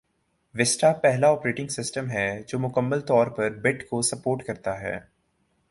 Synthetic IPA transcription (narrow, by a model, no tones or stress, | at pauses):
ʋɪsʈapɛɦlaɔːpɾeːʈɪ̃ŋɡsɪsʈəmɦɛd͡ʒoːmʊkəmːəlt̪ɔːɾpɐɾbɪʈkosɐpoːɾʈkɐɾt̪aɦɛ̰ː